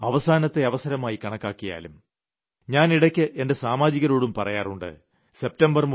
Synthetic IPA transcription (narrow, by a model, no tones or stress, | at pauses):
ɐʋɐsaːnɐt̪ːe̞ɐʋɐsɐɾɐmaːjikɐɳɐkːaːkːija̰ːlum | ɲaːniɽɐkʲːɨʔe̞nde̞saːmaːd͡ʑiɣɐɾoːɽumpɐrɐjaːruɳɖɨ̰ | se̞p̚tɐmbɐrm